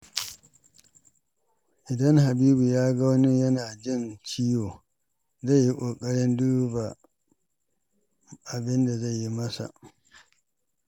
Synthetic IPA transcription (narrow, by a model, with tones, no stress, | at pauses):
ʔɪ˨dɐ˦ŋha˨biː˦bu˨jaː˦ɡa˦wnɪ˦jɐ˦naː˨d͡ʒɪ˦nt͡ʃi˦joː˨ | za˦˨jːi˦kʷʼoː˨kʼɐ˦ɽɪ˦nduː˦ba˨ | ʔa˨bɪ˦nda˨za˦˨ji˦mɐ˦sa̰˨ʔ